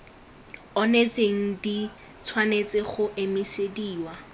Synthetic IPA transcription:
ɔnet͡sʼeŋ̩dit͡sʰwanet͡sʼɪχʊʔemɪsediːwa

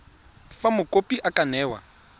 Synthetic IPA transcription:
famʊkʼopʼiʔakʼanɛːwa̰

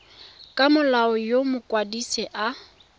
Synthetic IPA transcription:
kʼamʊlaɔjomʊkʼwadisɛʔa

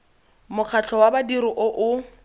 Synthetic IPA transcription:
mʊq͡χʰat͡ɬʰɔwabadiɾiʔʊʔʊ

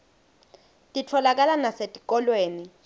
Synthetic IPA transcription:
tʼitʰɔlak̬alanasetʼik̬ʼɔlweːni

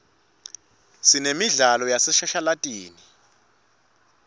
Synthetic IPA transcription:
sinemiɮalɔjasɛʃaʃalatʼiːni

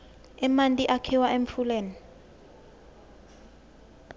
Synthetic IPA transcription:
ɛmantʼiʔakʰiwaʔemfʰuleːni

